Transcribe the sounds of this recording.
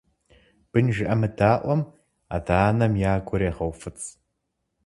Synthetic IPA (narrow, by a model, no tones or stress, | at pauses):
b̥ɨnʒɪʔɐmɨdaːʔʷɔm | a̰daːnɐmjaːɡʷɔɾeːʁɐwfɨt͡sʼ